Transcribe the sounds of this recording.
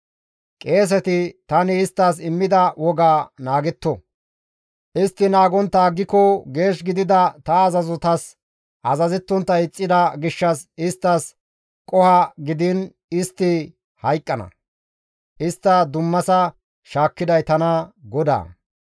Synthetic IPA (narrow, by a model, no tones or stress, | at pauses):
kʼe̞ːs̬ɛt̪ɪt̪ɐnɪːst̪ːɐs̬ɪmːɪd̪ɐwɔɡaːnaːɡɛt̪ːɔ | ʔɪst̪ːɪnaːɡɔnt̪ːaːɡːɪkɔɡe̞ːʃɡɪd̪ɪd̪ɐt̪ɐːzɐzɔt̪ɐs | ʔɐzɐzɛt̪ːɔnt̪ːɐɪt͡sʼːɪd̪ɐɡɪʃːɐsɪst̪ːɐs | kʼɔhɐɡɪd̪ɪn | ɪst̪ːɪ | hɐjkʼːɐnɐ̰ | ʔɪst̪ːɐd̪ʊmːɐsɐ | ʃaːkːɪd̪ɐjt̪ɐnɐɡɔd̪a̰ː